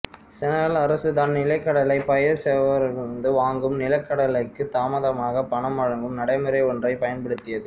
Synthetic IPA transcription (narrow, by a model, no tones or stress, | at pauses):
sɛnɐɾɐlɐɾɐsɯðaːnnɪlɐɪkːɐɽɐlɐɪpɐjɐɾsɛːʋɐɾɪɯnd̪ɯʋaːŋɡɯmnɪlɐkːɐɽɐlɐɪkːɯt̪aːmɐðɐmaːɣɐpːɐɳɐmɐɻɐŋɡɯmnɐɽɐɪmɪɾɐɪɔndrɐɪpɐjɐnpɐɽɯt̪ːɪjɐðɯ